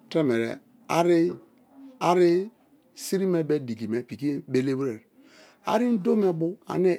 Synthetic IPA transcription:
te˦me˨ɾḛ˨ | a˦ɾi˦ | a˨ɾi˦ | si˦ɾi˦me˦be˦di˨ɡi˨me˨pi˨ki˦be˦le˦bɾe˨ɾ | a̰˨ɾi˦n̩˦do˦me˦bu˦a̰˨ne˦

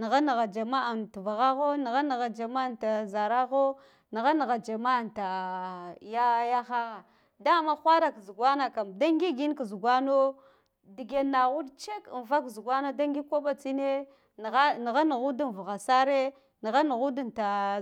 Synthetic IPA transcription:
ni˨ɣa˦na˨ɣa˨d͡ʒa˨ma˦a˨nti˨va˨ɣa˦ɣo˦ni˨ɣa˦na˨ɣa˨d͡ʒa˨ma˦˨nta˨za˨ɾa˦ɣo˦ | ni˨ɣa˦na˨ɣa˨d͡ʒa˨ma˦˨ta˨ | ja˦ja˦xa˦ɣa˨ | da˦˨ma˦xʷa˦ɾa˨kzu˨ɡwa˦na˨ka˨mda˦ŋɡi˦ɡi˦n˦kzu˨ɡʷa˦no˦ | di˨ɡe˨na˨ɣu˦dt͡ʃe˦kn˨va˦kzu˨ɡwa˦no˦da˦ŋɡi˦kʷo˦ɓa˦t͡si˦ne˦˨ | a˦ni˨ɣa˦na˨ɣu˦du˦n˨vu˨ɣa˨sa˦ɾe˦ | ni˨ɣa˦nu˨ɣu˦du˦nta˨

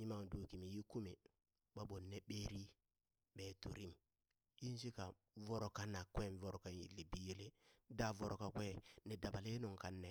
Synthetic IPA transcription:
ɲi˦ma˦ŋ˨du˨ki˨mi˨ji˦ku˦mi˨ | ɓa˦ɓo˨nːe˦ɓeː˦ɾi˦ | ɓeː˨tu˨ɾi˦m | ji˦n˦s̬i˦ka˨ | vo˦ɾo˨ka˦na˨kwe˦˨n˨vo˨ɾo˨ka˨njḭ˨lːi˨bi˦je˦le˦da˦˨vo˨ɾo˨ka˨kʷe˦ne˨da˨ba˨le˦no˨ŋka˨nːe˨

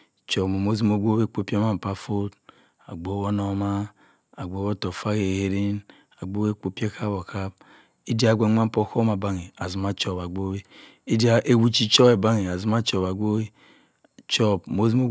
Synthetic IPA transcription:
t͡ʃo˨mo˨mo˦zi˦mo˦ɡʷo˦we˦k͡po˨˦pi˦e˦ma˦m̩˨pa˦fo˦t | a˨ɡ͡bo˨˦wo˦no˨ma˦ | a˨ɡ͡bo˨˦o˦to˨fa˦ke˨he˦ɾi˦n | a˨ɡ͡bo˦e˦k͡po˦pe˦ka˦bo˨ka˦b̚ | i˦di˦a˨ɡʷe˨˦ma˦m̩˦po˦ko˦ma˨ba˦ŋi˨a˨zi˨ma˦t͡ʃo˦˨ba˨ɡ͡bo˦we˦ | i˦di˦a˨ʔe˨wu˦t͡ʃi˦t͡ʃo˦be˨ba˦ŋi˨a˨zi˦m˦a˦t͡ʃo˨ba˨ɡʷo˦we˦ | t͡ʃo˦bmo˦zi˦mo˦

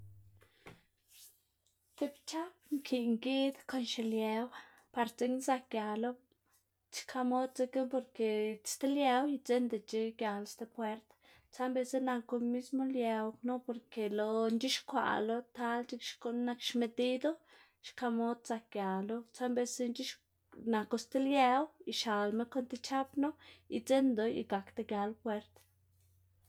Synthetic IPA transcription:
t̪e˧bt͡ʃa˦pŋkʰi˨ŋɡi˦d̪ko˧nʃe˨lje˧w | pa˧ɾt͡se˦ŋsa˧k̚ɡja˨lo˦ | t͡ʃkʰa˧mo˦d̪̚t͡se˧ke˦po˧ɾke̥˨st̪e˦lje˧wjt͡se˦nd̪e˨t͡ʃi˦ɡja˨lst̪e˧pwe˦ɾt̪ | t͡sa˦mbe˧se˦na˧ko˧mi˦smo˦lje˧wno˦po˧ɾke˨lo˧nt͡ʃi˦ʃkʷa̰˨lo˦t̪a˦lt͡ʃi˦kʃko˧na˧kʃme˧d̪i˦d̪o˦ | ʃka˧mo˧˦d̪̚t͡sa˧k̚ɡja˨lo˦t͡sa˦mbe˧se˦nd͡ʒi˦ʃ | na˨ko˧st̪e˦lja˧wi˧ʃa˨lme˦ko˦nt̪e˧t͡ʃa˦pno˦i˧t͡se˦nd̪o˨jḭ˧ɡa˨kt̪e˧ɡja˧lpwe˧˦ɾt̪

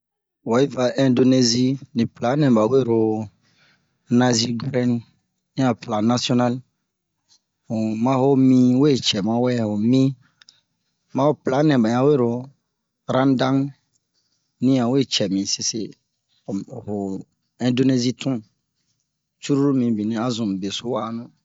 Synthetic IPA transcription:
wɔ˨i˦va˨ʔɛ̃˨ndo˨ne˨zi˦nĩ˨pla˨˦nɛ̃˨ba˨we˦˨ɾo˨ | nã˨zi˦ɡɾɛ˦n | ɲ˦ã˦plã˨na˨si˦ɔ˦na˦l | o˨mã˦ɦo˦m̃ĩ˦we˦˨t͡ʃɛ˨mã˦wɛ˦˨ho˨mĩ˦ | mã˦wo˦pla˨˦nɛ̃˨ba˨ɲ˨ã˨˦we˦ɾo˨ | ɾã˦n˦dã˦ŋ | nĩ˦ã˨we˦˨t͡ʃɛ˨mĩ˨se˨se˨ | ho˨ | ɛ̃˨ndo˦ne˦zi˦tʰũ˦ | t͡ʃu˦ɾu˦ɾu˦mĩ˨bĩ˨nĩ˨a˦zʊ̃˨m˨be˨sʊ˦wa˦˨˦nʊ̃˦

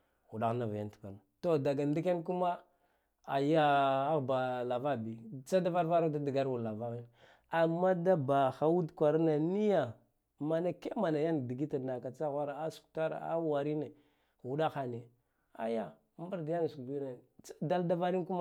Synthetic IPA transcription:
ɣu˨ɗa˦ɣna˨va˨ja˦n˨tka˨na˨to˦da˨ɡa˨n˦di˦ke˦nk̬u˦ma˦ | a˨ja˦a˦ɣba˨la˨va˦bi˨t͡ʃa˦da˦va˦ɾva˦ɾa˦da˦di˨ɡa˦ɾwu˨lla˨va˦ɣi˦n | a˨mːa˦da˦ba˨xa˨wu˦dkʷa˨ɾna˨ni˦ja˨ | ma˨na˨ke˦ma˨na˨ja˦n˨di˨ɡi˦ta˨na˨ka˨t͡sa˦ɣʷa˦ɾa˨a˦su̥˨kta˦ɾa̰˨a̰˦wa˨ɾi˦ne˨ | u˨ɗa˦xa˨ne˨ | a̰˦ja˦ | mba˦ɾdi˨˦ja˦n˨su˨kdu˦ne˨˦da˦lda˦va˦ɾi˦nku˦ma˦

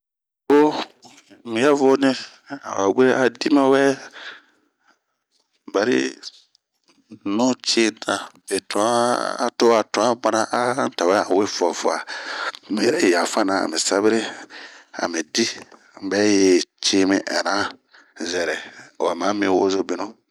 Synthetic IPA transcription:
o˦ | mɪ̃˨ja˦vʊ˦nɪ˦ | a̰˨wa̰˨we˦a˨di˦ma˦wɛ˦ | ba˨ɾḭ˦ | nʊ̃˦t͡ʃi˦nã˨be˨tʰɔ̰̃˨˦to˦a˨tʊ̃˨a˦ɡ͡ba˦na˦ʔa˦ta˨wɛ˦a˨we˦fɔ˨fʊ˦a˨mi˨˦ɾɛ˦˨ja˨fa˦nã˨a̰˨mɪ̃˨sa˦bɪ˦ɾɪ˦ | a̰˨mĩ˨di˦ | bɛ˦je˨t͡ʃe˦mɪ̃˨ʔɛ̰˨nã˦ | zɛ˨ɾɛ˨a˨mã˨˦mĩ˨wo˦zo˦bi˦nʊ̃˦

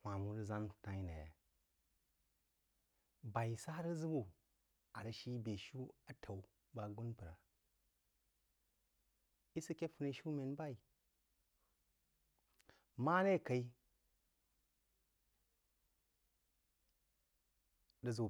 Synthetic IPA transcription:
hʷa˨mu˦də˦za˦n˨ta˦i˦na˨ja̰˨ | ba˨i˨sa˦ɾə˦zu˦bu˦ | a˨ɾə˨ʃi˦be˨ʃu˦a˨tʰa˨w | ba˨ɡu˦npə˨ɾa̰˨ | i˦si˦kʲe˦fu˦ne˦ʃu˦me˨n˦ba˦i˨ | ma˦ne˦˨ka˨i˦ | də˦zu˨

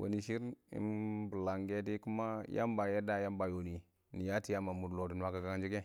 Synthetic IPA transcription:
wo̰˨ni˨ʃi˦ɾḭ˦mbu˨la˨ŋɡe˦di˦ku˦ma˦ja̰˦mba˨je˦da˨ja˦mba˨jo˨ni˨ | ni˨ja˦ti˨ja˦ma˨mu˨dlo˨di˨n˦wa˦ka˨ɡa˦ŋd͡ʒi˦ɡe˦

